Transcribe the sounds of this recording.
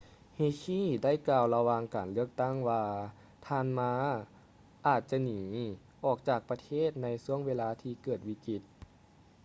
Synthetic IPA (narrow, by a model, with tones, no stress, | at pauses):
heː˧kʰiː˥˨da˥˩˨jkaː˧wla˧waː˧ŋkaː˨˩nlɯ˥˩ək̚t̪a˥˩ŋwaː˧ | t̪ʰaː˧nmaː˧˥ | ʔaː˨˩t̪̚t͡ɕa˧niː˨˩˦ | ʔɔː˨˩k̚t͡ɕaː˨˩k̚pa˧t̪ʰeː˥˩t̪̚na˧jsu˧˥˩əŋweː˧laː˧t̪ʰiː˧kɤː˨˩t̪̚wiː˧˥ki˧˩t̪̚